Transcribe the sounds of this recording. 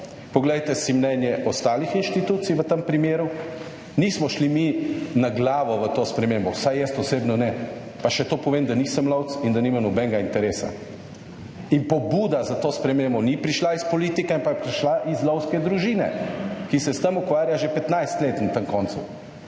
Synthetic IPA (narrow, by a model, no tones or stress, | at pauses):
pɔɡlɛjt̪ɛsimnɛnjɛʔɔst̪aːlixinʃt̪it̪uːt̪sijʋət̪əmpɾimeːɾu | nismɔʃliminaɡlaːʋɔʋət̪oːspɾɛmembɔwsajjɛst̪ɔsebnɔnɛ | paʃɛt̪oːpɔʋeːmd̪aniːsəmlɔwt̪sind̪animamnɔbɛŋɡaint̪ɛɾeːsa̰ | inpɔbuːd̪azat̪oːspɾɛmembɔnipɾiʃlaispɔliːt̪ikɛimpajɛpɾiʃlaʔizlɔwskɛd̪ɾuʒiːnɛ̰kisɛst̪əmukʋaːɾjaʒepɛt̪najst̪leːt̪nat̪əŋkɔnt̪sṵ